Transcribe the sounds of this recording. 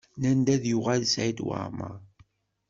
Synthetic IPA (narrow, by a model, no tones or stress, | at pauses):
nænd̪æðjʊʁælsʕid̪wə̰ɾma̰